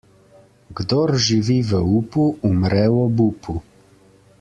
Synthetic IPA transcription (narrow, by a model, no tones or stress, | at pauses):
ɡd̪oɾʒiʋiʋəupuʔumɾɛwɔbupʰu